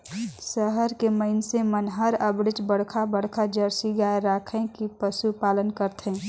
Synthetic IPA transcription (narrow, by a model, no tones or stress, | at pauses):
səɦəɾkeməɪnsemənɦəɾəbɽɪt͡ʃbəɽ̤kʰabəɽ̤kʰad͡ʒəɾsiɡaːeɾaːkʰẽkipəʃupaːlənkəɾt̪ʰɦẽː